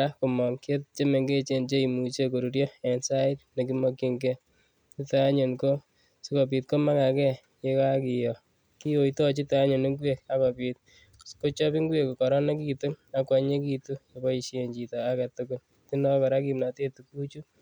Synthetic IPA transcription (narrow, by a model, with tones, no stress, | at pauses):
a˦ko˨mɔ˨ŋke˦tt͡ʃe˦me˨ŋɡe˦t͡ʃe˦nt͡ʃe˦i˨mu˨t͡ʃe˦ko˨ɾu˨ɾjɔ˦ɛ˨nsa˦ɪ˦t̚ne˨k̬i˦mɔ˦ki˦ŋɡɛ˦ | t͡ʃi˦ta˦ɲo˨nko˦ | si˦kɔ˨p̬i˨t̚ko˦ma˦ka˨kɛ˦ | je˦ka˦ki˨jɔ˨ | ki˦o˨i˨tɔ˦t͡ʃi˦ta˦ɲo˨nɪ˦ŋɡwe˦k̚a˦kɔ˨pi˨t̚ | sko˦t͡ʃɔ˦bi˦ŋɡwe˨ko˨kɔ˨ɾɔ˦ne˦kitu˦na˦kwa˨ɲe˦ki˧tu˦jɔ˨bɔ˦i˧ʃe˨ɲd͡ʒi˨tɔ˨a˦ɡa˨tʊkʊ˨l | ti˦ndɔ˦ka˨ɾa˦ki˨mna˨te˦tu˨ku˦t͡ʃu˦